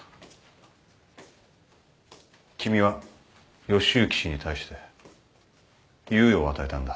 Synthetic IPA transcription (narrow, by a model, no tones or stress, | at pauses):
kʲʰimʲiβa | jo̞ɕɨːkʲi̥ɕiɲ̟it̪ʰaiɕi̥t̪e̞ | jɨːjo̞ːβat̪aet̪ãnd̪a